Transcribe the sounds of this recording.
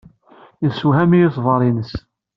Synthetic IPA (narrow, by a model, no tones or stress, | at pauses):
əsuhæmijiθˤvɑɾˤinəs